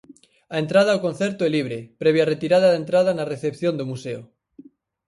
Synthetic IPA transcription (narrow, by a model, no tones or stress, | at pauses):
aent̪ɾað̞aːlkonθeɾt̪oeliβɾepɾeβ̞jaret̪iɾaðaðent̪ɾað̞anareθepθjond̪omuseo